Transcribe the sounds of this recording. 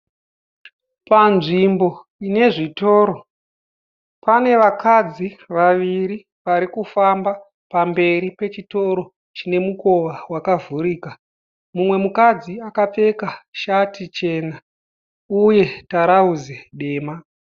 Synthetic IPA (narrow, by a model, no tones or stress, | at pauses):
panʐimbo̞ | ine̞ʐito̞ːɾo̞ | pane̞ʋakad͡ziʋaʋiɾi | ʋaɾikufamba | pambe̞ɾipe̞t͡ʃito̞ɾo̞ | t͡ʃine̞muko̞ʋawakavʱuɾiːka | mumwe̞mukad͡ziakap͡fe̞kaʃatit͡ʃe̞ːna | uje̞taɾauzeɗe̞ːma